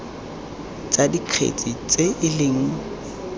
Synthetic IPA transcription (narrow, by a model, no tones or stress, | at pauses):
t͡sʼadiq͡χʰḛt͡sʼit͡sʼeɪlɪŋ̩